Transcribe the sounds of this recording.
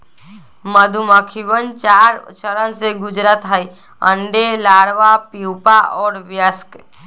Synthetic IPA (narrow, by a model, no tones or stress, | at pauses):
məd̪ʱumakʰiʋənt͡ʃaɾt͡ʃəɾənseɡʊd͡ʒɾat̪ɦai | ə̃ɳɖelaɽʋapiupaʔɔːɾʋjəsk